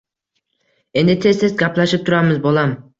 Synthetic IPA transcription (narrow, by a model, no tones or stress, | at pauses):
e̞nd̪ɪt̪ʰe̞st̪ezɡʲapʰlaʃɪp̚t̪ʰʊɾamɪzbolˠam